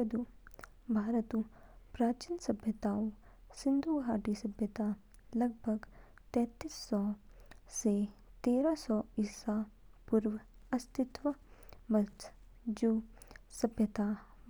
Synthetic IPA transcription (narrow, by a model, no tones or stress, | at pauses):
ɐd̪uː | bʱaːɾət̪upɾaːt͡ʃinsɐbʱjət̪aːu | sɪnd̪ʱuːɡʱaːʈisɐbʱjət̪aː | lɐɡ̚bʱəɡ | t̪ɛ̃ːt̪iːsːɔ | set̪eːɾasɔiːsaːpuɾʋəɐst̪ʰɪt̪ʋəmɐt̪ | d͡ʒuːsɐbʱjət̪aː